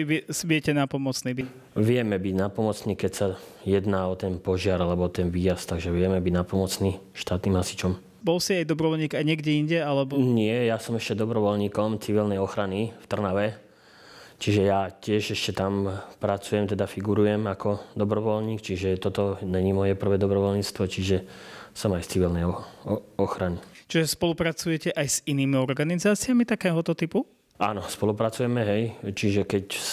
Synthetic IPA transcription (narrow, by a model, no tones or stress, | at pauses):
ʋsbɪɛcɛnapɔmɔt͡sniːbi | ʋɪɛmɛbiɟnapɔmɔt͡sniːkɛcsajɛd̪naːɔt̪ɛnpɔʒɪaɾalɛbɔɔt̪ɛnʋiːjast̪aɡʒɛʋɪɛmɛbiɟnapɔmɔt͡sniː | ʃt̪aːt̪niːmɦasi̥t͡ʃɔm | bɔlsiajd̪ɔbɾɔʋɔlɲiːɡajɲɛɡɟɛiɲɟɛalɛbɔɲɪɛjasɔmɛʃcɛd̪ɔbɾɔʋɔlɲiːkɔmt͡siʋilnɛjɔxɾanift̪r̩naʋɛ | t͡ʃiʒɛjacɪɛʒɛʃcɛt̪ampɾat͡sujɛmt̪ɛd̪afiɡuɾujɛmakɔd̪ɔbɾɔʋɔlɲiːkt͡ʃiʒɛt̪ɔt̪ɔɲɛɲiːmɔjɛpr̩ʋɛːd̪ɔbɾɔʋɔlɲiːt͡st̪ʋɔt͡ʃiʒɛsɔmajst͡siʋilnɛjɔɔxɾanit͡ʃiʒɛspɔlupɾat͡sujɛcɛʔajsiniːmiɔɾɡanizaːt͡sɪamit̪akɛːɦɔt̪ɔt̪ipu | ʔa̰ːnɔspɔlupɾat͡sujɛmɛɦɛjt͡ʃiʒɛkɛc